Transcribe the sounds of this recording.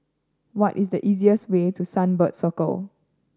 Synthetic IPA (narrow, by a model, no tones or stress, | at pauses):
wɔtisdəʔiziəstwetʰusãnbətsɔkə̰l